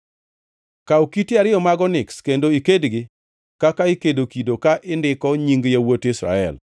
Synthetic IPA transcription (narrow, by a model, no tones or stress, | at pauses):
kaokitɪaɾɪɔmaɡɔnɪkskendoikedɡɪ | kakaɪkedokidokaʔɪndɪkɔɲiŋɡjawotɪsɾa̰ɛ̰l